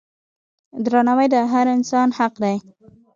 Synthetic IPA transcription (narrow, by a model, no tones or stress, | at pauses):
d̪ɾɑnawajd̪əɦaɾɪnsɑnhaqd̪aj